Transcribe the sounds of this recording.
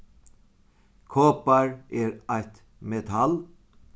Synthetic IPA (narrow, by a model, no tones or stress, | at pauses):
kʰoːpɑɹeːɾæɪt̪ | mɛt̪ʰɑl